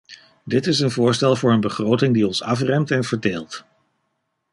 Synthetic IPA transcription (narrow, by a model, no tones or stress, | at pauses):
dɪtɪsənvʊːɹstɛlˠvʊːɹənbəχrowtɪŋdiɔnsɑfrɛmtɛnvəɹdeːlˠt